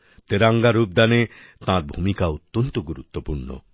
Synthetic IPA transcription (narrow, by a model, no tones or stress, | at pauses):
t̪eɾaŋɡaɾup̚d̪ane | t̪ãɾbʱumikaot̪ːont̪oɡuɾut̪ːopuɾɳo̰